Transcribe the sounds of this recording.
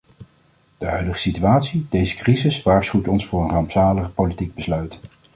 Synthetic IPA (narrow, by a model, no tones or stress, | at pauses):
d̥əɦœɥdəχə̥sityaːtsidejzəkrizɪsʋaːɹsχywtɔnsfʊːɹənraːmpsaːləχəpowlitiɡ̚bəslœɥt